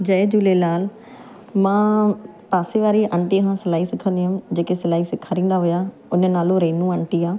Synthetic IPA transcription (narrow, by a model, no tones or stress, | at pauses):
d͡ʒəːeːd͡ʒʊleːnaːl | mãː | paːseːʋaːɾiːʔəɳʈiːɦãːsəlaːiːsɪkʰːənd̪iːɦamd͡ʒeːkesəlaːiːsɪkʰːaːɾĩːnd̪aːɦoːjaː | ʊnẽːnaːlõːɾeːnũːəɳʈiːaː